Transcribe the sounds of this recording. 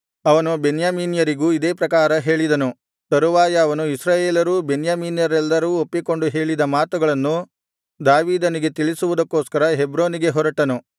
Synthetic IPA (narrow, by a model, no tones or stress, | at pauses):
ɐʋɐnubenjaːmiːnjɐɾiɡuːid̪eːpɾɐkaːɾɐɦe̞ːɭid̪ɐnu | t̪ɐɾuʋaːjɐːʋɐnuisɾaːjeːlɐɾuːbenjaːmiːnjɐɾɛlːɐɾuːopːiko̞ɳɖuɦe̞ːɭid̪ɐmaːt̪uɡɐɭɐnːu | d̪aːʋiːd̪ɐniɡe̞t̪iɭisuʋud̪ɐkːoːskɐɾɐɦebɾoːniɡe̞ɦɔɾɐʈːɐnu